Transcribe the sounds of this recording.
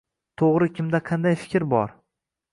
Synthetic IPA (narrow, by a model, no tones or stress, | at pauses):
t̪ʰoʁɾɪkʲʰɪmd̪aqʰɑnd̪ajfɪ̥kʲɾbɒɾ